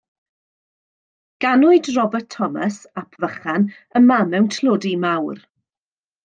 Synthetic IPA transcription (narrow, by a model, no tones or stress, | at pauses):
ɡ̥anʊɨdrɔbətʰːɔmasapʰvəχan | əmamɛwntʰlʊːdimawr